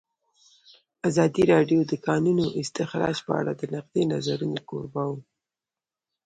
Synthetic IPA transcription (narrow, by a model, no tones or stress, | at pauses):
azɑd̪iɾɑɖjod̪əkɑnunoʔɪst̪ɪxɾɑ̰d͡ʒpə̰a̰ɽad̪ənaqd̪enazaɾunoko̰ɾbɑwu